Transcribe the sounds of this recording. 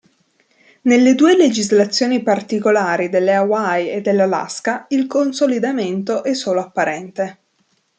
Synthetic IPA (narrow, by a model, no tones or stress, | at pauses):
nelːed̪uːeled͡ʒizlat̪sːjoːnipart̪ikolaːɾid̪elːeawajed̪ːelːala̰skailkonsolid̪ament̪oʔɛsːoːloapːaɾʔɛnt̪e